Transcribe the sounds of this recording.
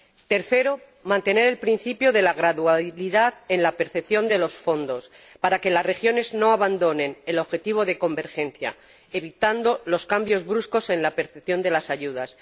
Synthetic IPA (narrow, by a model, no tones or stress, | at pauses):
t̪e̞ɾθe̞ɾo | mãnt̪e̞ne̞ɾe̞lpɾin̟θipjoðe̞laɣɾaðualiðaðe̞nlape̞ɾθe̞pθjo̞nd̪e̞lo̞sfo̞nd̪o̞s | paɾake̞lasre̞xjo̞ne̞zno̞aβand̪o̞nẽ̞ne̞lo̞βxe̞t̪iβ̞o̞ðe̞ko̞mbe̞ɾxe̞n̟θja̰ | eβit̪and̪o̞lo̞skambjo̞zβɾusko̞se̞nlape̞ɾθepθjo̞nd̪e̞lasaʝuð̞as